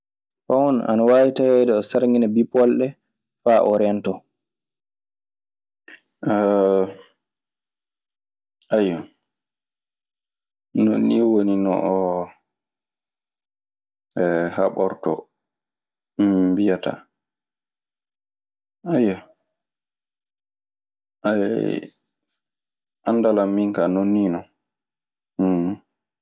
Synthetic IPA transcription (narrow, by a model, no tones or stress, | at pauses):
fawɔna̰nawajitawɛdɛɔsaɾŋinabipɔlɗɛ | faʔɔɾɛntɔ | ʔajɔ | no̰nːiwoninɔ̰ʔɔ | ɛhaɓɔɾtɔ̰ | bijata̰ | ajːa | ʔa | ʔandalamːiŋkanonːiːnɔ